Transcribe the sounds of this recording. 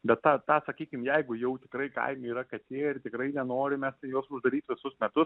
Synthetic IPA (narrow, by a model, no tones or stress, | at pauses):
bʲɛt̪tɑːt̪ɑːsɐkʲiːkʲɪmjɛɪɡʊjɛʊt̪ʲɪkɾɐɪkɐ̰ɪmʲʊiːɾɐkɐt̪ʲeːjɪrt̪ʲɪkɾɐɪnʲɛnoːɾʲɪmʲɛst̪joːsʊʒd̪ɐɾʲiːt̪ʋʲɪsʊsmʲɛt̪ʊs